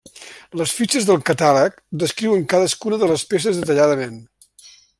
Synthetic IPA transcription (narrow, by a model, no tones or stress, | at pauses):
ləsfit͡ʃəzðəlˠkət̪alək̚ | d̪əskɾiwəŋkaðəskunəðələspes̬əzðət̪əʎaðəmen